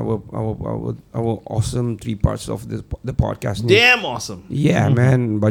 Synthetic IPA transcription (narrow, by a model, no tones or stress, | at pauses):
wəa̰wəa̰wə̰awəʔɔsə̃mt̪ʰɹipa̰tsɔ̰fdəd̪əpɔ̰d̚kastnɛ̃mɔsə̃mjɛmɛ̃nba